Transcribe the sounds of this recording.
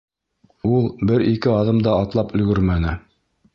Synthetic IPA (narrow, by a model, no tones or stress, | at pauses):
ulˠbɘɾikɘɑðɤmd̪ɑːt̪lˠɑpɵ̆ɡɵɾmænɘ